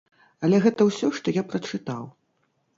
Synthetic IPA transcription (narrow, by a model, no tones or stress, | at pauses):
ɐlʲɛɣɛt̪ɐwsʲɔʂt̪ɔjapɾɐt͡ʂɨt̪aw